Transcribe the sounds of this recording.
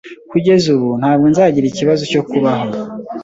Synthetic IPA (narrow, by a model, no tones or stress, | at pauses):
kuɟe̞zuβun̥haːb̚ɡo̞nzaːɟiɾiciβazoco̞kuβaɦo